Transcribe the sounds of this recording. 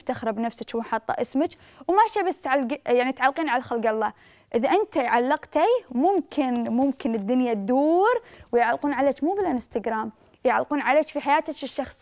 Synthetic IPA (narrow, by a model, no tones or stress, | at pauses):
ft̪axɾˤɑbnafsɪt͡ʃwħɑt̪ˤːɑ̰ʔɪsmat͡ʃ | wmaʃabast̪ʕalɡjaʕnit̪ʕalːqiːnʕalaxalɡɑlˤːɑː | ʔɪðaʔɪnt̪ajʕalːɪqt̪amʊmkʰɪnmʊmkɪnɪd̪ːʊnjad̪uːɾwjʕalːquːnʕaleːt͡ʃmuːbɪlanɪst̪aɡɾaːm | jɪʕa̰lːquːnʕaleːt͡ʃfiħajaːt̪at͡ʃɪʃːɑxsˤ